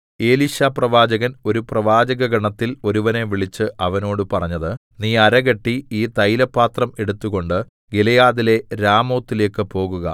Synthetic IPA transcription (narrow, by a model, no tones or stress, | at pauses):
e̞ːliɕaːprɐʋaːd͡ʑɐɣɐno̞ɾuprɐʋaːd͡ʑɐɣɐɡɐɳɐt̪ːilo̞ɾuʋɐne̞ʋiɭit͡ɕːɨʔɐʋɐno̞ːɽɨpɐrɐɲːɐðɨniːɐɾɐɣɐʈːiiːt̪ɐjlɐpːaːt̪rɐme̞ɽut̪ːuɣo̞ɳɖɨ | ɡelɐjaːðile̞ɾaːmo̞ːt̪ːile̞ːkːɨpo̞ːɣuɣɐ̰